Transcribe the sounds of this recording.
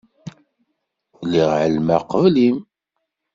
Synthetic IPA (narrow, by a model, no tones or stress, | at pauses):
liʁʕəlmæqəvlim